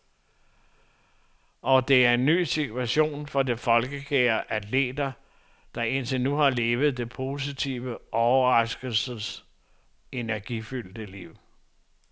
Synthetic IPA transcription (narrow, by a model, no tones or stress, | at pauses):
ʔɒ̽d̥e̝æɐe̝nːy̰ːsit͡sʰuæɕo̝̰ːnfɒ̽de̝fɒ̽lɡ̥əkʰeːɐʔæd̥lḛːd̥ɐ | d̥ɑ̈e̝n̰t͡sʰe̝nuhɑ̈le̝ːʋð̩ˠd̥e̝pʰo̝ːs̬it͡sʰiʊʋəɒʊɐʁɑ̈sɡ̥əl̩səs | e̝næɐɡ̥ifyl̰d̥əliʊ̰